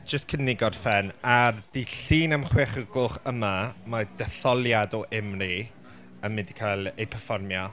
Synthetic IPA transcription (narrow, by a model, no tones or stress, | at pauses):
d͡ʒ̥əstkʰənːɪɡɔd̥fɛnard̥iɬiːnamχweχəɡʊχəmamad̥ɛθɔlˠjadɔʔɪmri | əmːɪndi̥kʰajlˠejpʰərfɔrmjɔ